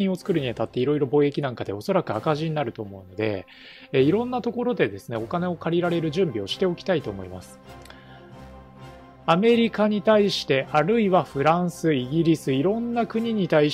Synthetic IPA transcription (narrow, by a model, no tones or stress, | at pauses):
ĩo̞t͡sɨ̥kɯ̟ɾɯ̟ɲ̟iat̪at̪ːe̞iɾo̞iɾo̞boːe̞kʲinãŋkad̪e̞o̞so̞ɾakɯ̟akaʑiɲinaɾɯ̟t̪o̞ːmo̞ɯ̟no̞d̪e̞̰ | eiɾõ̞nːat̪o̞ko̞ɾo̞d̪e̞d̪e̞sɨneo̞kane̞o̞kaɾʲiɾaɾe̞ɾɯ̟ʑɨ̃mbʲio̞ɕi̥t̪e̞o̞kʲi̥t̪ait̪o̞ːmo̞ima̰sɨ̥ | ame̞ɾʲikaɲ̟it̪aiɕi̥t̪e̞ʔaɾɯ̟iβaɸɯ̟ɾãɰ̃sɨiɡʲiɾʲisɨiɾõ̞nːakɯ̟ɲ̟iɲ̟it̪ai